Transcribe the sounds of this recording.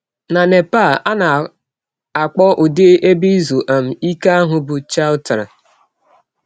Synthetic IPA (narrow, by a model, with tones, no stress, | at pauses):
na˨ne˨pa˦˨a˦na˨ | a˨k͡pɔ˦ʔʊ˨de˦ʔe˦bi˦zu˨ʔa˨m̩˨i˦ka˦a˦ɦʊ˨bʊ˨t͡ʃa˦ʊ˦ta˨ɾa̰˨